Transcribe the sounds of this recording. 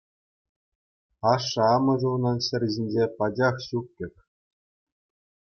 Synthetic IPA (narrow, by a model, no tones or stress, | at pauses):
ɑʂːɤ̆ɑmɤ̆ʐɤ̆unɑnɕɘ̆rʲʑinʲd͡ʑepɑd͡ʑɑχɕuk̚ʲkʲɘ̆rʲ